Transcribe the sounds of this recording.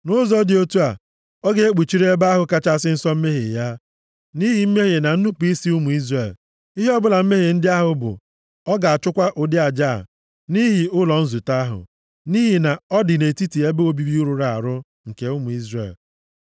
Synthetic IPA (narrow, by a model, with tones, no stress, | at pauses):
nʊ˦zɔ˦dɪ˨o˦tu˦a˨ | ɔ˦ɡe˦e˦k͡pi˨t͡ʃi˦ɾe˦ba˦a˦ɦʊ˨ka˦t͡ʃa˦˨sɪ˦n̩˦sɔ˦m̩˦me˦ɦḭ˨ja˦ | ni˦ɦi˨m̩˦me˦ɦi˨na˨n̩˦nu˦pi˦si˦u˦mu˨i˦zre˨l | i˦ɦe˦ɔ˦bʊ˦la˨m̩˦me˦ɦe˨n̩˦dɪ˦a˦ɦʊ˨bʊ̰˨ | ɔ˦ɡa˨a˨t͡ʃʊ˦kʷa˦ʔʊ˨dɪ˦a˨d͡ʒa̰˦˨ | ni˦ɦi˨ʊ˦lɔ˨n̩˦zu˨ta˦ɦʊ̰˨ | ni˦ɦi˨na˨ɔ˦dɪ˨ne˨ti˦ti˨e˦be˦o˦bi˦bi˦u˦ɾu˨ɾa˨a̰˨ɾʊ˦ | ŋ̩˨ke˨ʊ˦mu˨i˦zrḛ˨l